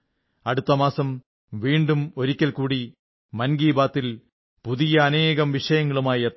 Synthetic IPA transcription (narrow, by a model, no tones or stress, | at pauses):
ɐɽut̪ːɐmaːsɐm | ʋiːɳɖumo̞ɾikʲːɐlkuːɽi | mɐnɡiːbaːt̪ːil | puðijɐːne̞ːɣɐmʋiʂɐjɐŋːɐɭumaːjiet̪ːɐ